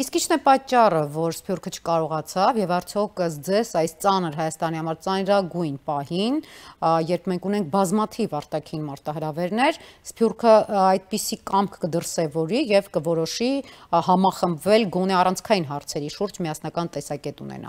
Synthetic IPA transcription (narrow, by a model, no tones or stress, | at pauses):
iskint͡ʃʰnɛpɑt͡ʃːɑrəvɔɾspʰjurkʰət͡ʃʰə̥kɑɾɔʁɑt͡sʰɑvjɛvɑɾt͡sʰjɔkʰəsd͡zɛzɑjst͡sɑnəɾɦɑjɑst̪ɑnihɑmɑɾt͡sɑnɾɑɡujnpɑɦinjɛɾpʰmɛŋkʰunɛŋk̚ʰbɑzmɑt̪ʰivɑɾt̪ɑkʰinmɑɾt̪ɑɦəɾɑvɛɾnɛɾspʰjurkʰəɑjd̪̚pisikɑmkʰkəd̪əɾsɛvɔɾijɛvkəvɔɾɔʃihɑmɑχəmbvɛlɡɔn̪ɛɑrɑnt͡sʰkʰɑjin̪ɦɑɾt͡sʰɛɾiʃuɾd͡ʒmijɑsnɑkɑnt̪ɛsɑkɛt̪unɛ̰nɑ̰l